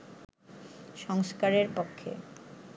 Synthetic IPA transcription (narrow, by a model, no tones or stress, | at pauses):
ʃɔŋskaɾeɾpokʰːḛ